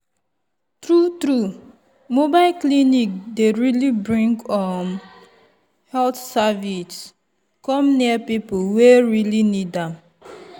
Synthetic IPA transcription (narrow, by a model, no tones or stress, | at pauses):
tɾutɾu | mobaɪlklinik̚deɹilibɹĩŋɡɔm | hɛltsavis | kɔ̃mniapipoweɹilinidam